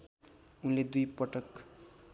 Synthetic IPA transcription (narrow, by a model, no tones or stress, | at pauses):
unled̪ujpʌʈʌk